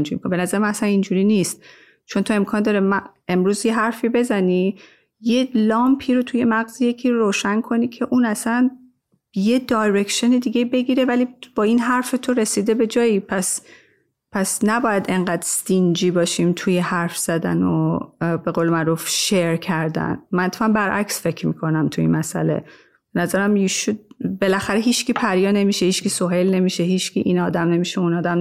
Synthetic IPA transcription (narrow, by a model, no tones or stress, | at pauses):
nd͡ʒḭːmikʰobe̞næzæɾemænæsænind͡ʒuɾiːniːst̪̚ | t͡ʃʰo̞nt̪ʰo̞emkʰɒːnd̪ɒːɾe̞mæe̞mɾuːzje̞ɦæɾfiːbe̞zæniː | je̞lɒːmpʰiːɾo̞t̪ʰuje̞mæɣzijecʰiːoɾoːʃænkʰo̞niːcʰe̞ʔuːnæsæn | je̞d̪ɒːjɾekʃoned̪iːɡʲe̞be̞ɡiːɾe̞væliːb̥ɒːiːnɦæɾfe̞t̪ʰo̞ɾe̞siːd̪e̞be̞d͡ʒɒːiːpʰæs | pʰæsnæbɒːjæd̪e̞ŋɢæːd̪̥st̪ind͡ʒiːbɒːʃiːmt̪ʰujehæɾfz̥æd̪æ̰nobe̞ɣoːlemæɾufʃeɾcʰæɾd̪æ̰nmænt̪fæmbæɾʔæ̰csfe̞cʰɾmiːkʰo̞næmt̪ʰuḭnmæsʔæ̰le̞̰ | b̥enæzæɾæmiʃud̪be̞læxæɾeɦiːt͡ʃcʰiːpʰæɾjɒːne̞miʃehiːt͡ʃkiːsoɦe̞lne̞miʃeɦiːt͡ʃciʔinɒːd̪æmne̞miʃeunɒːd̪æm